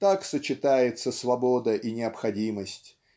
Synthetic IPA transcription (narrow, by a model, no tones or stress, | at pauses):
t̪aksət͡ɕɪt̪ajɪt̪səsvɐbod̪əʔinʲɪɐpxɐdʲiməsʲtʲ